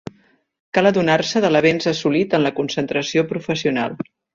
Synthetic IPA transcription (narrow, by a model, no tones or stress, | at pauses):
kalˠəðunarsəðələβenzəsulit̪ənləkunsənt̪ɾəsiopɾufəsiuna̰lˠ